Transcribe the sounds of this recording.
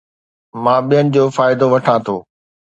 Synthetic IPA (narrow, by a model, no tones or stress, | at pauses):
mãːɓijənɪ̆d͡ʑoːfaːɪd̪oʋɐʈʰãt̪ʰoː